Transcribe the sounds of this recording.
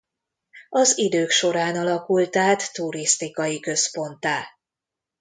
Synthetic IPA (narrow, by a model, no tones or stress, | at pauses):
ɒzid̪øːkʃo̞ɾaːnɒlɒkult̪aːt̪ːuɾist̪ikɒjikø̞spo̞nt̪aː